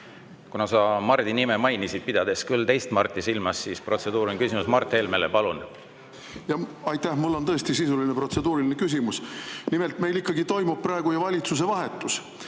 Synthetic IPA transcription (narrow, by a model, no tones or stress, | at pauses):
kunɑsɑmɑrd̪̥inimemɑjnisid̪̚pid̪̥ɑd̪̥e̞skylt̪e̞jst̪mɑrt̪ʲːˑisilmɑsːiːspro̞t̪se̞d̪̥uːɾonkysimusmɑrt̪ːˑeːlmelepɑlun | jɑɑjt̪ːæhmulːo̞nt̪ɤ̞est̪isisulinepro̞t̪se̞d̪uːɾilinekys̬ʲimusnimelt̪me̞jlikːɑɡit̪o̞jmub̥̚prɑeɡ̥ujɑvɑlʲit̪sus̬e̞vɑɦe̞t̪ːˑus